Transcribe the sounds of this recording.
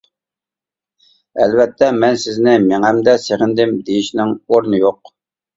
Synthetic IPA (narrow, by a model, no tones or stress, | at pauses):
ɛlvɛt̪ʰːɛmɛnsɪznɪmeŋæmd̪ɛseʁɪnd̪ɪmd̪ejiʃnɪŋoɾnɨjoq̚